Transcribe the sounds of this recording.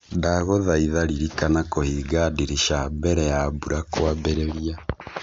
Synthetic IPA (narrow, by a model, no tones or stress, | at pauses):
daɣoðaiðaɾiɾikanakohiːɡadiɾiʃambɛɾɛjabuɾakwabɛɾɛɾia